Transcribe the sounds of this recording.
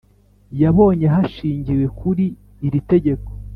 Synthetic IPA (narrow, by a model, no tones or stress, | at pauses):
jaβo̞ːɲe̞ɦaʃiːɲɟiwe̞kʰuɾiː | ɾite̞ɟe̞ko̥